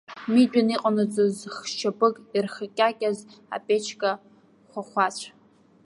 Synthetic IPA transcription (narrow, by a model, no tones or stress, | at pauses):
mid͡ʒʷᶣʼaniqʼanɨt͡sʼozχʃʰapʼɨkʼirχakʲʼakʲʼaza̰pʼet͡ʃʰkʼa | χʷaχʷat͡ɕʷʰ